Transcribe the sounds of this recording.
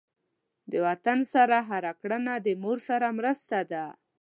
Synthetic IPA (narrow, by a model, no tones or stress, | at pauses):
d̪əwat̪ansaɾaɦaɾakɽənad̪əmoɾsaɾamɾəst̪ad̪a